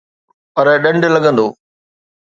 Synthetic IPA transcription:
pɐɾɗɐ̃ɳɖlɐɡə̃nd̪oː

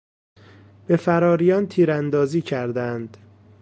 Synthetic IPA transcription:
b̥e̞fæɾɒːɾijɒːnt̪ʰiːɾænd̪ɒːziːcʰæɾd̪ænd̪̥

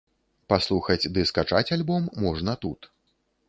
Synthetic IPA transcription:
paslˠuxɐd͡zʲd̪ɨskat͡ʂat͡sʲalʲbɔmːɔʐnɐt̪ut̪

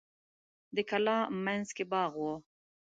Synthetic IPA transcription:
d̪əkalɑ̃ːmanzkebɑːɣwo

